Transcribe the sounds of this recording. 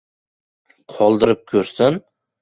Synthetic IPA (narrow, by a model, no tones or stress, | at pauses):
qʰɒlˠd̪ɨɾɪp̚kʲʰɵɾsɪn